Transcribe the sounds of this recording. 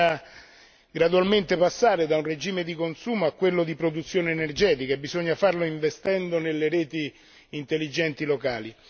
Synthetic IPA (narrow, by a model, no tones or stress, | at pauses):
a | ɡɾad̪ualment̪epasːaːɾed̪aunred͡ʒiːmed̪ikonsuːmoakːwelːod̪ipɾod̪ut̪sːjoːnenerd͡ʒɛːt̪ikaebizoɲːafarloiɱvest̪ɛnd̪onelːeɾɛːt̪iː | nt̪elːid͡ʒɛnt̪ilokaːli